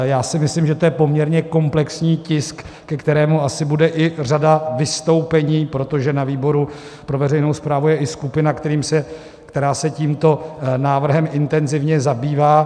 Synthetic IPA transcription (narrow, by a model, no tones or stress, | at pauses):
jaːsɪmɪslɪmʒɛt̪ojɛpo̞mɲɛɾɲɛko̞mplɛksɲiːcɪskː | ɛkt̪ɛɾɛːmuasɪbudɛʔɪr̝adavɪst̪o̞wpɛɲiːpɾo̞t̪o̞ʒɛnaviːbo̞ɾu | pɾo̞vɛrɛjnowspɾaːvujɛʔɪskupɪnakt̪ɛɾiːmsɛ | kt̪ɛɾaːsɛciːmt̪o̞naːvr̩ɦɛmɪnt̪ɛnzɪvɲɛzabiːvaː